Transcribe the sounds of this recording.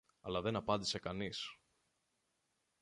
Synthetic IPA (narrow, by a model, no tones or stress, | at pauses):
ɐlɐðe̞nɐpɐnd̪ise̞kɐnis